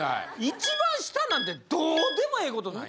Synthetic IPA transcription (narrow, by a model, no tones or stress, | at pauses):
it͡ɕibãɰ̃ɕi̥t̪anãnt̪e̞d̪oːd̪e̞mo̞eːko̞t̪ona